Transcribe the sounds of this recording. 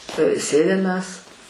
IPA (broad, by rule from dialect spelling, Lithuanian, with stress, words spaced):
ˈsʲeːdʲɪm mʲɛs